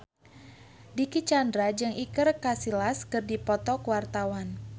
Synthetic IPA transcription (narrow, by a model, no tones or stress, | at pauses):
dikit͡ʃandɾad͡ʒɨŋʔikɨrkasilaskɨrdipɔt̪ɔkwart̪awan